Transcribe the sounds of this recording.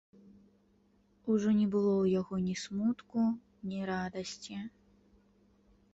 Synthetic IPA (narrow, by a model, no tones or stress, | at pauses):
uʐɔnʲɛbɨlˠɔwjaɣɔnʲismut̪ku | nʲiɾad̪ɐsʲt͡sʲi